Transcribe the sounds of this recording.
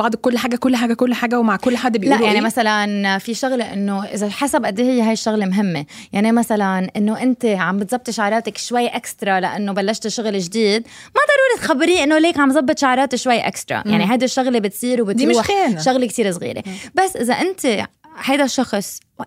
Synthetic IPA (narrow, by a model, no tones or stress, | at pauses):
bɑʕd̪ˤkʊlːħaɡakʊlːħaːɡakʊlːħaɡawmaʕkʊlːħaːd̪blaʔjaʕnimasalanfiʃʊɣleʔɪnːoʔɪ̰zaħasabʔad̪ːiːhɪjːeɦajʃːʊɣlemɦɪmːejaʕnimasalanʔɪnːoʔɪnt̪eʕambɪt̪zˤɑb̚t̪ʃaʕɾˤɑːt̪akʃwajːʔakst̪ɾˤɑlaʔanːobalːaʃt̪ʃʊɣlɪʒd̪iːd̪mad̪ˤɑɾˤuːɾit̪xabːɪɾiːʔɪnːoleːkʕambzˤɑbːɨt̪ʃʊʕɾˤɑːt̪ɪʃwajːaʔa̰ksɾˤɑ̰jaʕniɦajd̪ɪʃːʊɣlebɪt̪sˤiːɾwbɪtd̪ɾuːħanʃʊɣlekt̪iːɾsˤɣḭːɾḛbasːʔɪzaʔɪnt̪e | hajd̪aʃːɑxsˤ